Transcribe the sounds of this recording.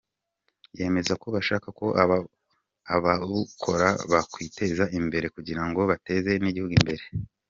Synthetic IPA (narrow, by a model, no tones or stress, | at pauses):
je̞ːme̞zako̞βaʃaːkako̞ʔː | βaβukʰo̞ɾaβakwiːte̞zaʔimbe̞ɾe̞kuɟiɾaŋɡo̞βate̞ze̞niɟihuɡimbe̞ɾe̞